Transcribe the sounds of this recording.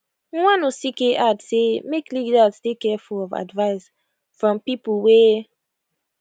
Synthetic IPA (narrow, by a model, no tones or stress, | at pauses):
wãnosikeʔadsemekliɡdastekɛfulɔva̰dvaɪs | fɹɔ̃mpipəwɛ